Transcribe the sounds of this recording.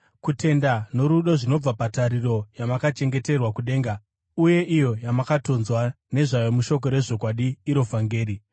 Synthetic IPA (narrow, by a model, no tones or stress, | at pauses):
kute̞ndano̞ɾuɗoʐino̞b͡vapataɾiro̞jamakat͡ʃe̞ŋɡe̞te̞rwakuɗe̞ːŋɡa | uje̞ʔijo̞jamakato̞nzwa | ne̞ʐajomuʃo̞k̬o̞ɾe̞ʐo̞kwaɗiːɾo̞vaŋɡe̞ːɾi